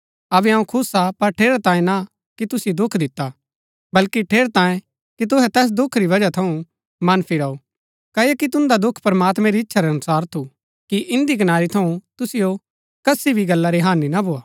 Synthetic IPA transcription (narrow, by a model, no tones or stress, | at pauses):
ɐbɛɦɐ̃ũkʰʊsapɐɾʈʰeːɾt̪ãːjẽna | kit̪ʊsɪjod̪ʊkʰd̪ɪt̪ːa | bɐlkiʈʰeːɾt̪ãːjẽ | kit̪̬ʊɦɛ̃t̪ɛːs̬d̪ʊkʰːɾiʋɐd͡ʒat̪ʰɐũ | mɐnpʰiɾao | kɐijekit̪ʊ̃nd̪ad̪ʊkʰpɐɾɐmaːt̪mɛ̃ɾiɪtːʃʰaɾeɐnʊsaːɾt̪ʰu | kiʔɪ̃nd̪ikɐnaːɾit̪ʰɐũt̪ʊsɪjo | kɐsibʱiɡɐlːaɾeɦaːninabʱoːaː